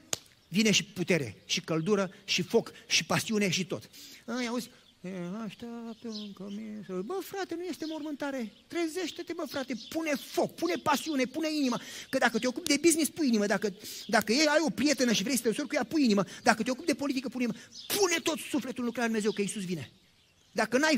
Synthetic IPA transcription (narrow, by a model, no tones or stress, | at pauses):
vine̞ʃiput̪e̞ɾe̞̰ʃikəld̪uɾəʃifo̞kʃipasiune̞ʃit̪o̞̰t̪ajawuzʲ | eaʃt̪ap̚t̪əɨŋkəmisbəfɾat̪e̞nuje̞st̪e̞mo̞rmɨnt̪aɾe̞t̪ɾe̞ze̞ʃt̪et̪e̞bəfɾat̪e̞pune̞fo̞k̚pune̞pasiune̞puneinimakəd̪akət̪eo̞kupd̪e̞biznispujiniməd̪akəd̪akəjejajo̞pɾije̞t̪enəʃivɾe̞jsət̪ensorʲkujapujiniməd̪akət̪eo̞kupd̪e̞po̞lit̪ikəpuiiməpʰune̞t̪o̞t̪sufle̞t̪ulukɾəlad̪umeze̞wkəisusvine̞ | d̪akənaj